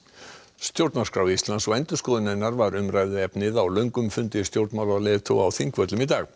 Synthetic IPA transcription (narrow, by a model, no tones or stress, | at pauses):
st̪jowɾt̪naskɾaːwist̪lansɔɣɛjnt̪ʏ̥skɔːðʏnɛnːaɾvaɾʏmraːjðʏɛpnɪðawlœɥŋkʏmfʏnt̪ɪst̪jowɾt̪mawlalɛt̪ʰo̰awθiŋkvœt̪lʏmit̪aːɣ